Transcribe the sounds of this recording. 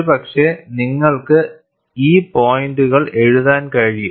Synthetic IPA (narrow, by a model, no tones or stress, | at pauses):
ɨpɐkʂe̞niŋːɐɭkɨ | iːpo̞ːjinduɣɐɭe̞ɻuðaːnkɐɻiju